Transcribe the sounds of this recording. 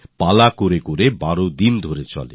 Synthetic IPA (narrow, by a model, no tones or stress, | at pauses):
palakoɾekoɾebaɾod̪ind̪ʱoɾet͡ɕɔ̰lḛ